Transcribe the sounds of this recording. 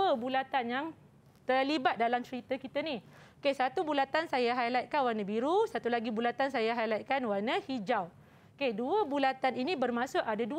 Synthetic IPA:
əbulat̪anjaŋ | t̪əlibat̪̚dalamt͡ʃəɾit̪əkit̪əni | okesat̪ubulat̪ansajaɦajlat̪̚kanwanãbiɾusat̪ulaɡibulat̪ansajaɦajlat̪̚kanwanahid͡ʒaw | keduəbulat̪aninĩbərmãsʊʔadadu

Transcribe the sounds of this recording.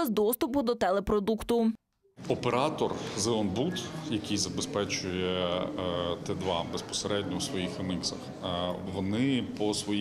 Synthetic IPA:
ɛzd̪ɔst̪ʊpʊd̪ɔt̪ɛlˠɛpɾɔd̪ukt̪ʊ | ɔpeɾɑt̪ɔrzɛɔnbut̪jɐkʲijzɐbespɛt͡ʃʊjɛ | t̪ɛd̪ʋɑbe̞spɔ̥seɾɛdʲnʲɔwsʋɔjixɪniksɐx | ʋɔnɪpɔsʋɔj

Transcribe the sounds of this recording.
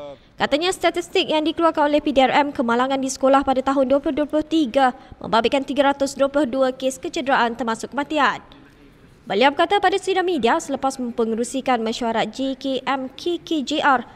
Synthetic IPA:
kat̪aɲãst̪at̪ist̪ɪk̚jaŋdikəluarkanolɛhpidiɛrɛmkəmãlaŋãndisə̥kolahpadat̪aɦʊnduəplʊhduəplʊht̪iɡamə̰̃mbabɪʔkːant̪iɡaɾat̪ʊsduwəplʊhduakeskət͡ʃədəɾaʔant̪ərmãsʊkːəmãt̪ian | bəliawbərkat̪apadasɾidamĩdiasələpasmə̃mpəŋəɾusikanmãʃuaɾat̪̚d͡ʒekeʔɛmkʰeked͡ʒeʔar

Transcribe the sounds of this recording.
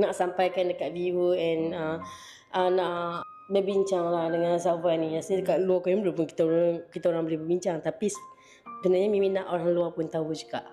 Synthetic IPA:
naʔsampajkandəkaʔviwuɛnə | ʔənaʔ | bəbiɲt͡ʃaŋlahdəŋãns̬awaniasidəkaʔluakajumblupʊnki̥t̪aoŋkit̪aoɾaŋbolihbəbiɲt͡ʃaŋt̪apis | bənaɲamĩmĩnaʔoɾaŋluapʊnt̪aɦud͡ʒukaʔ

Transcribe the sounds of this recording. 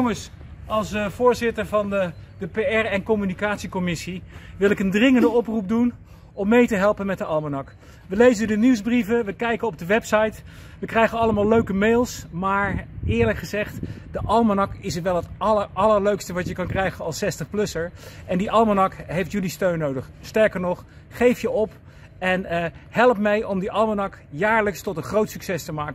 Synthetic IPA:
ŋəs | ɑlˠsv̥ʊːɹzɪtəɹvɑnədəpejɛɹɛnkɔmynikaːtsikɔmɪsiʋɪlɪkəndrɪŋəndəɔprup̚dun | ɔmːejtəɦɛlˠpənmɛt̚dəɑlˠmanɑk | ʋəlejzədəniwzbrivəʋəkɛjkənɔb̚dəʋɛpsɑjtʋəkrɛjχənɑləmaːlˠløɥkəmeːlˠsmaːɹɪːɹləkχəzɛχtdəʔɑlˠmanɑkɪsətʋɛlˠɦətɑləɹʔɑləɹløɥkstəʋɑtjəkɑnkrɛjχənɑlˠsɛstəχplɵsəɹʔɛndiʔɑlˠmanɑkɦejftjylistøɥnːowdəχstɛɹkəɹnɔχ | χejfjəʔɔp | ɛnɦɛlˠpmɛjʔɔmdiʔɑlˠmanɑkjaːɹləkstɔtənχrowtsy̥ksɛstəmaːkə

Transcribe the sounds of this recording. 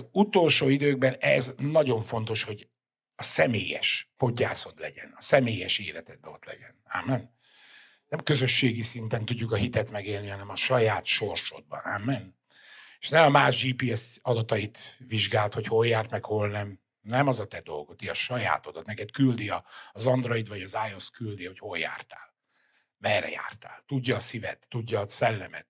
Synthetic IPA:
zut̪o̞lʃoːid̪øːɡ̚bɛnɛznɒɟo̞ɱfo̞n̪t̪o̞ʃho̞ɟ | ɒsɛmeːjɛ̰ʃpo̞ɟːa̰ːso̞t̪lɛ̰ɟɛ̰nɒsɛmeːjɛʃeːlɛt̪ɛd̪̚bɛo̞̰t̪lɛ̰ɟɛna̰mːɛn | nɛmkø̞zø̞ʃːeːɡisint̪ɛnt̪uɟːukɒɦit̪ɛt̪mɛɡeːlnihɒnɛmɒʃɒjaːt̪ʃo̞rʃo̰d̪̚bɒ̰naːmːɛn | eʃnɛmɒmaːʒd͡ʒiːpiːɛsɒd̪ɒt̪ɒjit̪ʋiʒɡaːlt̪ho̞cho̞ljaːrt̪mɛkho̞lnɛm | nɛmɒzɒt̪ɛd̪o̞̰lɡo̞t̪iɒʃɒja̰ːt̪od̪ɒt̪nɛkɛt̪kyld̪iɒːzɒnd̪rojid̪vɒɟɒzaːjo̞skyld̪iho̞cho̞lja̰ːrt̪aːl | mɛrɛ̰ja̰ːrt̪a̰ːlt̪uɟːɒːsivɛ̰t̪ːuɟːɒːsɛlːɛmɛ̰t̪̚

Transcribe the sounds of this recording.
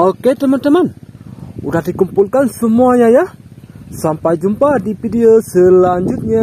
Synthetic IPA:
oket̪əmant̪əman | udahdikumpulkansəmuaɲaja | sampajd͡ʒumpadipidiosəlaɲd͡ʒut̪̚ɲa

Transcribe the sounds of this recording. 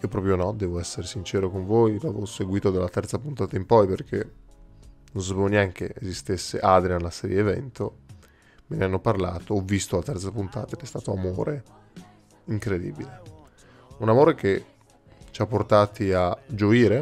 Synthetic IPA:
iopɾɔpɾjonɔd̪ɛːvoɛsːeɾesint͡ʃɛːɾokoɱvojlavoseɡwiːt̪od̪alːat̪ɛrt̪sapunt̪aːt̪aimpɔjperkʰe | nõnsapevonjaŋk̟eʔezist̪esːḛʔad̪ɾianlasɛːɾjeːvɛ̰nt̪o | meneanːoparla̰ːt̪oɔvːist̪olat̪ɛrt̪sapunt̪a̰ːt̪ad̪ɛst̪aːt̪oamoːɾe | iŋkɾed̪ḭːbile | unamoːɾek̟e | t͡ʃapːort̪aːt̪iad͡ʒoiːɾe

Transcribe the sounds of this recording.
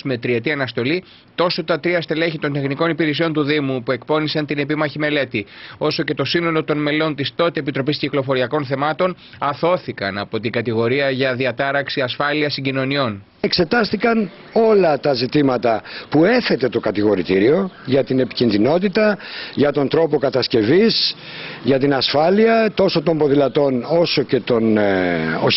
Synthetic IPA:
me̞t̪ɾiet̪iɐnɐst̪o̞li | t̪o̞sot̪ɐt̪ɾiɐst̪e̞le̞çit̪o̞nt̪exniko̞nipiɾesio̞nt̪uðimupue̞kpo̞nisɐnt̪ine̞pimɐçime̞le̞t̪io̞so̞ce̞t̪o̞sino̞lo̞t̪o̞nme̞lo̞nt̪ist̪o̞t̪eepit̪ɾopisciklo̞fo̞ɾiɐko̞nθemɐt̪o̞n | ɐθo̞θikɐ̰nɐ̰po̞t̪iŋɡɐt̪iɣo̞ɾiɐʝɐðiɐt̪ɐɾɐksiɐsfɐliɐsiɲɟino̞nio̞n | ekse̞t̪ɐst̪ikɐn | o̞lɐt̪ɐzit̪imɐt̪ɐpue̞θe̞t̪e̞t̪o̞kɐt̪iɣo̞ɾit̪iɾio̞ʝɐt̪ine̞pi̥cinðino̞t̪it̪ɐʝɐt̪o̞nt̪ɾo̞po̞kɐt̪ɐsce̞vis | ʝɐt̪inɐsfɐliɐt̪o̞sot̪o̞mbo̞ðilɐt̪o̞no̞so̞ce̞t̪o̞n

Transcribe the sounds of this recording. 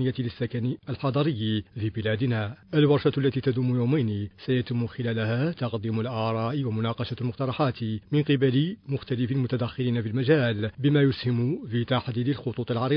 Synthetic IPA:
nɪjːæt̪iləsːakæniəlħɑd̪ˤɑɾəjːifibɪlæd̪naʔəlwɑɾˤʃɑt̪lːæt̪it̪æd̪umujuwmæjnisæjæt̪ɪmːʊxɪlælhæt̪ɑqd̪imʊlʔɑʕɾˤɑːʔiwamʊnɑqɑʃalmʊqt̪ɑɾˤɑħɑt̪imɪnqəbælimʊxt̪ælɪfilmʊt̪æd̪æxːɪɾinafilmæʒæːlbəmæjʊshɪmʊfit̪aħd̪iːd̪əlxʊt̪ˤuːt̪ˤɪlʕɑɾi

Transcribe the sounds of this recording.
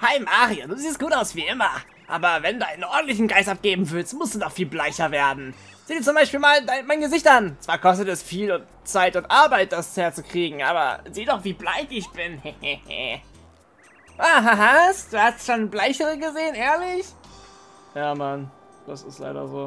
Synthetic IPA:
haɪmaːʁioduːziːstɡ̥uːtaʊsv̥iːʔɪmɐ | ʔa̰ːbɐvɛnduːa̰ɪnənʔɔɐdn̩tlɪç̬n̩ɡaɪstʔap̚ɡ̥eːbm̩vɪlstmʊstd̥uːdɔχfiːlblaɪçɐveːɐdn̩ | z̥iːdiːɐt͡sʊmbaɪʃpiːlmaːldaɪnmaɪnɡəzɪçtʔant͡sv̥aːɐkʰɔs̬tətɛsfiːlʊnt | t͡saɪtʊntʔaɐbaɪt̚d̥asheːɐt͡sukʁ̥iːɡŋ̩ʔa̰ːbɐ̰ziːdɔχv̥iːblaɪçɪçb̥ɪnhɛhɛhɛ̰ | ʔaɦaɦasd̥uːhastʃoːnblaɪçəʁəɡəzeːənʔeːɐlɪç | jaːman | d̥asɪstla̰ɪɾɐ̰zoː

